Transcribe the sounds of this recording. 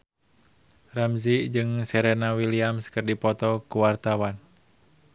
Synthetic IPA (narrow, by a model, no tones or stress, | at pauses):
ramzid͡ʒɨŋsɛɾɛnawiliamskərdipɔt̪ɔkuwart̪awan